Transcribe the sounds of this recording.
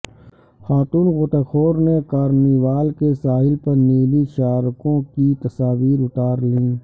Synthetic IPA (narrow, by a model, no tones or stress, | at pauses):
xaːt̪uːnɣoːt̪axʰoːɾnekaːɾniʋaːlkesaːɦɪlpɐɾniːliʃaːɾkõkit̪ɐsaːʋiːɾʊʈaːɾlĩː